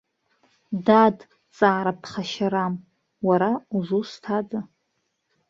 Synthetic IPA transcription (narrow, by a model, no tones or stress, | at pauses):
dad | t͡sʼaːɾapʰχaʃaɾam | waɾauzustʰad͡za